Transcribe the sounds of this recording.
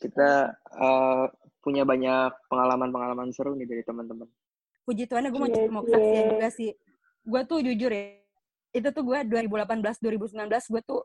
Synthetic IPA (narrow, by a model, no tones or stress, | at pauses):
kit̪aə | puɲabaɲak̚pəŋalamanpəŋalamansəɾunɪdaɾit̪əmənt̪əmən | kud͡ʒit̪uanaɡuamaumakɾasiauɡasɪh | ɡuat̪ʊd͡ʒud͡ʒʊrja | it̪̬ut̪ʊɡuaduaɾibulapanbəlasduaɾibusəmlanbəlasɡuat̪ʊ